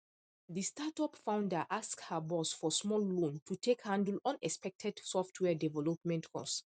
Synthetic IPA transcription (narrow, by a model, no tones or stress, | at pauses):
ðistatɔpfãʊ̃ndəʔaskhabɔsfɔsmɔlːõntʰutʰekhãndəlɔ̃nɛkspɛk̚tʰɛd̥sɔftʰwɛdɛvɛlɔpmɛ̃ntkʰɔ̰s